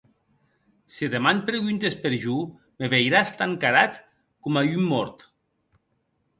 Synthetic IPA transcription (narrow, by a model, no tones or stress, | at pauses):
siðemanpɾeɣunt̪espeɾʒu | meβejɾast̪aŋkaɾat̪ | komajymːɔɾt̪